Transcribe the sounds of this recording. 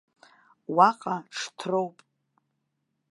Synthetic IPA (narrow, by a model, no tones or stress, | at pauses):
waqʼaʈ͡ʂʰtʰrowpʼ